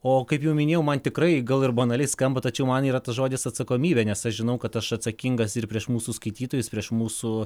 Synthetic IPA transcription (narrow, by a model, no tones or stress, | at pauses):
oːkɐɪpjɛʊmʲɪnʲeːjɛʊmɐnt̪ʲɪkɾɐɪɡɐlˠɪrbɐnɐlʲɛɪskɐmbɐt̪ɐt͡ʃʲɛʊmɐniːɾɐt̪ɐsʒoːd̪ʲɪsɐt̪sɐkoːmʲiːbʲeːnʲɛsɐʃʒʲɪnɐʊkɐt̪ɐʃɐt̪sɐkʲɪŋɡɐsɪrpʲɾʲiɛʃmuːsuskɐɪt̪ʲiːt̪oːjʊspʲɾʲiɛʃmuːsu